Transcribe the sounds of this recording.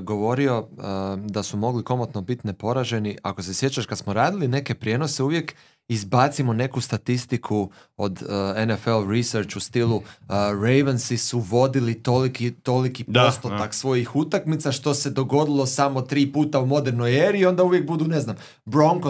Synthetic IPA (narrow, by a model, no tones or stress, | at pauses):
ɡo̞ʋo̞ɾio̞əd̪asumo̞ɡliko̞mot̪no̞bit̪ne̞po̞ɾaʒe̞nia̰ko̞se̞sje̞t͡ʃaʃkad̪smoɾaːd̪iline̞ke̞pɾje̞ːno̞seuʋje̞k | izbat̪simone̞kust̪at̪ist̪ikʰuo̞d̪enefelɾiseɾt͡ʃust̪ilˠuɾejʋensisuʋo̞d̪ilit̪olikit̪o̞likiost̪ot̪aksʋo̞jixut̪akmit̪saʃt̪o̞se̞d̪o̞ɡo̞d̪ilˠo̞samo̞t̪ɾiːpuːt̪aumo̞d̪e̞ɾno̞jeːɾiːo̞nd̪auʋje̞k̚bud̪une̞znam | bɾo̞ŋko